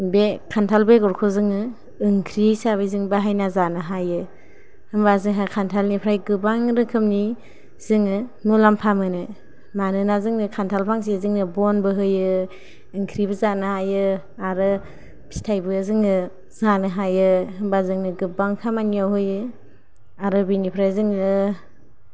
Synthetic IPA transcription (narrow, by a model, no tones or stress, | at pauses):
bekʰantʰalbeɡɔɾkʰɔzɯŋɯː | ŋkʰɾisaβɯjzɯŋbaɦajnazanɯɦajɯ | hɯmbazɯŋɦakʰantʰalnipʰɾajɡɯbaŋɾɯkʰɯmni | z̥ɯŋɯnulampʰamɯnɯ | manɯnazɯŋnɯkʰantʰalpʰaŋs̬izɯŋnɯbɔnbɯɦɯjɯː | ŋkʰɾibɯzanɯhajɯ | aɾɯ | bi̥stʰajbɯzɯŋɯ | zanɯɦajɯɦɯmbazɯŋnɯɡɯbaŋkʰamanijawɦɯjɯ | aɾɯbinipʰɾajzɯŋnɯ